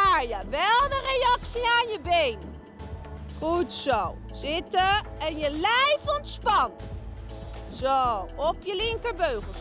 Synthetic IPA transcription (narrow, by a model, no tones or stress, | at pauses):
aɹjəʋɛlˠdərejɑksiaːnjəbejn | χutsow | z̥ɪtəɛnjəlɛjfɔntspɑn | zowɔpjəlɪŋkəɹbøɥχəs